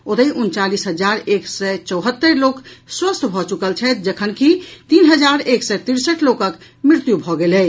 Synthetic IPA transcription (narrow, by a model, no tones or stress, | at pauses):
od̪əiʔunt͡ʃalisɦəd͡ʒaɾeksɛt͡ʃəwɦət̪ːəɾlokswəst̪ʰbʱɔt͡ʃukəlt͡ʃʰɛt̪̚d͡ʒəkʰənkit̪inɦəd͡ʒaɾeksɛt̪iɾsəʈlokək | mɾiɾt̪jubʱɔɡelɛ